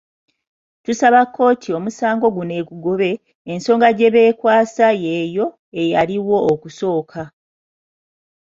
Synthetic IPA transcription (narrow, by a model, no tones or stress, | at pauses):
tusaβakʰːo̞ːtʰio̞musaːŋɡo̞ɡune̞ːkuɡoβe̞ː | nso̞ːŋɡaɟe̞βe̞ːkwaːsaje̞jo̞ | ejaɾiwo̞ːkuso̞ːkʰa